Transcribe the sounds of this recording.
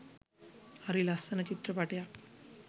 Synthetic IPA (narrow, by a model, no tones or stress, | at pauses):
ɐɾilɐsɐnɐt͡ɕit̪ɾɐpaʈja